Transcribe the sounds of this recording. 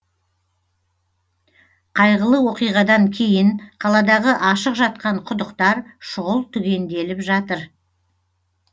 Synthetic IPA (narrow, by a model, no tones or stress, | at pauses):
qʰɑjʁəlˠəwo̞qijʁɑd̪ɑŋkʲʰe̞jɪnqʰɑlˠɑd̪ɑʁəʔɑʃəqʒɑt̪̚qɑɴqʰʊd̪ʊqt̪ɑɾʃʊʁəlˠt̪ʰʏɡʲe̞nd̪e̞lɪpʒɑt̪əɾ